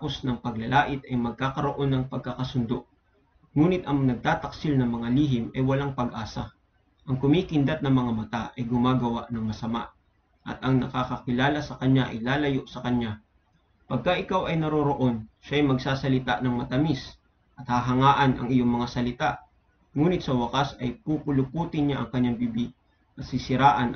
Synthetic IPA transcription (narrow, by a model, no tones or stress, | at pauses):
apo̞snɐŋpɐɡ̚lɐlʔaːʔɪt̪ɐjmɐɡ̚kaːkɐɾo̞ʔo̞nːɐŋpɐɡ̚kɐkɐsʊnd̪o̞ʔ | ŋuːnɪt̪ɐŋnɐɡ̚t̪aːt̪ɐksɪlnɐŋmɐŋaliːɦɪmʔɐjwɐlaŋpɐɡʔaːsɐ̰ | ʔɐŋkʊmiːkɪnd̪ɐt̪̚nɐŋmɐŋamɐt̪aʔɐjɡʊmaːɡɐwaʔnɐŋmɐsɐma̰ʔ | ʔɐ̰t̪ʔɐŋnɐ̰kakɐkɪlaːlɐsɐkɐɲaʔɐ̰jlaːlɐjoʔsɐkɐɲːa | pɐɡ̚kaʔɪkawʔɐjnɐɾoɾoʔo̞nʃaɐjmɐɡsaːsɐlɪt̪a̰ʔnɐŋmɐt̪ɐmis | ʔɐt̪̚haɦɐŋaːʔɐnʔɐ̰ŋʔɪjo̞ŋmɐŋasɐlɪt̪aʔ | ŋuːnɪt̪sɐwɐkasɐjpupʊlʊpuːt̪ɪnɲaʔɐŋkɐɲːaŋbibi | ʔɐt̪sɪsɪɾaːʔɐn